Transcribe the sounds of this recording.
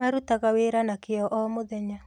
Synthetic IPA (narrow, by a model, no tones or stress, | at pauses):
aɾutaɣaweːɾanakɪɔʔɔmoðɛɲa